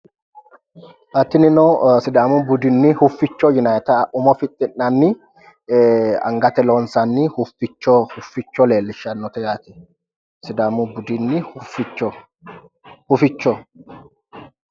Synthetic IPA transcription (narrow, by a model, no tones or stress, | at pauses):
ʔɐt̪ːɪnɪnɔsɪd̪aːmʊbʊd̪ɪnːɪhʊfːɪt͡ʃːɔjʊnajɛt̪ɐʔʊmɔfɪt̪ʼːɪnːɐnːɪ | ɐ̰ŋɡɐt̪ɛloːnsɐnːɪhʊfɪt͡ʃːɔhʊfːɪt͡ʃːɔleːlːɪʃɐnːɔt̪ɛjaːt̪ɪ | sɪd̪aːmʊbʊd̪ɪnːɪfɪt͡ʃːɔ | hʊfɪt͡ʃːɔ